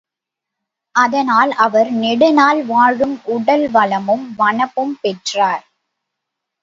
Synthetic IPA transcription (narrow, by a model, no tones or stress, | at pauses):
ʔɐðɐnaːlɐʋɐɾnɛɽɯnaːlʋaːɻɯmʊɽɐlʋɐlɐmɯmʋɐɳɐpːɯmpɛʈraːɾ